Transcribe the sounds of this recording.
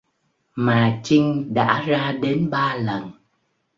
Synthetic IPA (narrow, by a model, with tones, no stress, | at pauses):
maː˨˩t͡ɕï˧ŋ̟ɗa̰ː˧˥zaː˧ɗe˨˦nɓaː˧lə˨˩n